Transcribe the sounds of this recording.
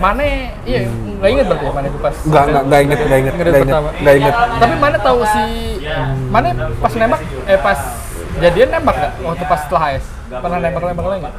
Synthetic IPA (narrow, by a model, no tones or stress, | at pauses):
manɛ | ija | ɡaiŋət̪̚bəɾt̪jamanɛt̪upasŋɡaɡaŋɡaiŋət̪̚ɡaiŋət̪̚kədapəŋamaŋɡaiŋət̪̚t̪apimanɛt̪ausi | manɛpasnembak̚ | ɛpas | d͡ʒadianːembak̚ŋɡaʔat̪upast̪əlaɦaɛs | pərnahnembaklaembaklaiŋət̪̚